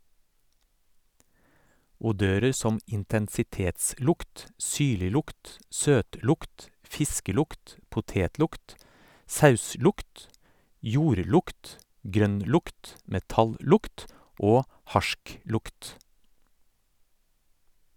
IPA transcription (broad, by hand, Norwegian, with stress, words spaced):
ʊˈdøːɾəɾ ˈsɔm ɪntɛnsɪˈteːtˌslʊkt ˈsyːɭɪˌlʊkt ˈsøːtˌlʊkt ˈfɪskəˌlʊkt pʊˈteːtˌlʊkt ˈsɑʉˌslʊkt ˈjuːɾˌlʊkt ˈɡɾœnˌlʊkt mɛˈtɑlˌlʊkt ˈoː ˈhɑʃˌklʊkt